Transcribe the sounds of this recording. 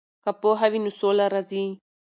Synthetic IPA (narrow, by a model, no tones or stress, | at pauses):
kapoɦaβinusolaɾazi